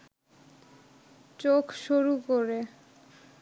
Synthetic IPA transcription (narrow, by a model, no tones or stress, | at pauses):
t͡ɕokʃuɾukoɾe